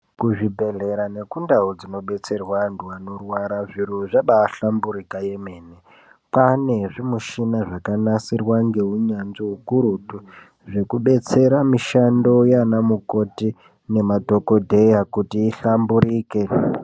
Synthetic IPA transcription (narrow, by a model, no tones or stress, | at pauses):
kuʐibʱe̞ɮe̞ɾane̞kundaod͡zino̞ɓe̞t͡se̞rwantuano̞rwaɾaʐiɾoʐaɓaːɬambuɾikaje̞me̞ːne | pane̞ʐimuʃinaʐakanasirwaŋɡe̞uɲanʐiukuɾutu | ʐe̞kuɓe̞t͡se̞ɾamiʃando̞janamuko̞ti | ne̞mato̞ko̞dʱe̞jakutiːɬambuɾiːke̞